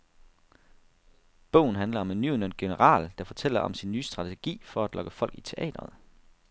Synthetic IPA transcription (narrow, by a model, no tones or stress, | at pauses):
b̥ɔ̰̽ʊn̩ɦænlɐɒ̽me̝nːynønɡ̥e̝nəʁɑ̰̈ːld̥ɑ̈fɒ̽t͡sʰel̰ɐʔɒ̽msinːyːsd̥ʁɑ̈t͡sʰe̝ɡ̥ḭːfɒ̽æd̥lɒ̽ɡ̥əfɒ̽l̰ɡ̥it͡sʰe̝ʔɛ̰ːd̥ɐð̩ˠ